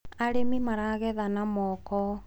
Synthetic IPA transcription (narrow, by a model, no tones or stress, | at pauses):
aɾemimaɾaɣɛðanamɔkɔ